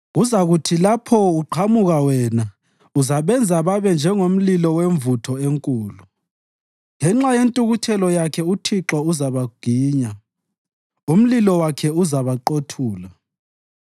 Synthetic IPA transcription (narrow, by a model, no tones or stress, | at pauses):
ɣuzaɣutʰilapʰɔuǃʰamuɣawɛna | uzaβɛnd͡zʱaβaβɛnd͡ʒʱɛŋom̩lilɔweɱvutʰɔeŋkʼuːlu | ŋɛŋ͡ǁajentʼuɣutʰɛlɔjakʰɛutʰiǁɔuzaβaɡ̥ʱiːɲa | um̩lilɔwakʰɛuzaβaǃotʰuːla